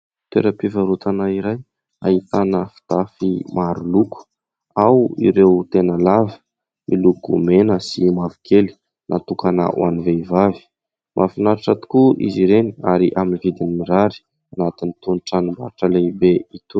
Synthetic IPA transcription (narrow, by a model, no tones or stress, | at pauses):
t̪eɾəpivaɾut̪ʰanaiɾaj | a̰ɦit̪anəfi̥t̪afimaɾuluku̥ | awḭɾewt̪enəlavi̥ | milukumenəsimavikʰeli̥ | nʔat̪ukana̰ʔṵa̰niveivavi̥ | mʔafinaɾaʈ͡ʂat̪u̥kuʔḭziɾeniaɾiʔaminivid̪inimiɾaɾi̥ | anat̪init̪unʈ͡ʂanimbaɾaʈ͡ʂəlebeit̪u